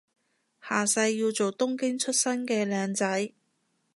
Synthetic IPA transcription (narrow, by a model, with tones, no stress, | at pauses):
haː˨˩sɐ˧jːiː˧wt͡so˨wt̪ʊ˥ŋkɪ˥ŋt͡ʃʰɵ˥t̚sɐ˥nkɛː˧lɛː˨˧ŋt͡sɐ˨˥j